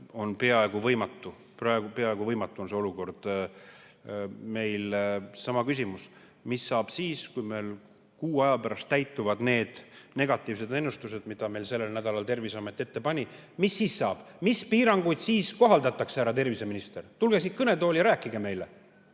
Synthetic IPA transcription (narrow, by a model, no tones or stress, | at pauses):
o̞npe̞ɑe̞ɡ̥uvɤjmɑt̪ːu | prɑeɡupe̞ɑeɡ̥uvɤjmɑt̪ːˑuonse̞o̞luko̞rd̪̥ | me̞jlsɑmɑkys̬ʲimus | misːɑːb̥siːskujmel | kuːɑjɑpæɾɑst̪ːæjt̪ˑːuvɑd̪ne̞ːd̪̥ne̞ɡ̥ɑt̪ːˑiːvse̞d̪e̞nːust̪use̞d̪mid̪̥ɑme̞jlse̞lːelnæd̪̥ɑlɑlt̪e̞rviseɑme̞t̪ːˑie̞t̪ːe̞pɑnʲimisːiːsːɑːb̥mispiːɾɑŋɡ̥ujd̪̥siːsko̞ɦɑld̪ɑt̪ːˑɑksæɾɑt̪e̞rvise̞minist̪e̞rt̪ulɡ̥esikɤne̞t̪o̞ːljɑɾæːkːˑiɡ̥eme̞jle